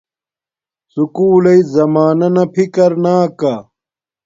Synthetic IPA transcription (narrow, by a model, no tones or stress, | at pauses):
sukuːlɐizɐmaːnɐnɐpʰikɐɾnaːka